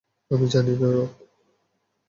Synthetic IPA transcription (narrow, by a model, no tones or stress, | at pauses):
amid͡ʑaninaɾot